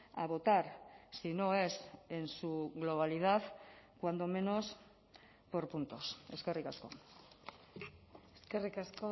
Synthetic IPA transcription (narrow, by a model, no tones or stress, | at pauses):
a̰β̞o̞t̪aɾsino̞e̞se̞nsuɣlo̞β̞alið̞aðkwand̪o̞me̞no̞s | po̞ɾpunt̪o̞se̞ske̞rikasko̞̰ | eskerikasko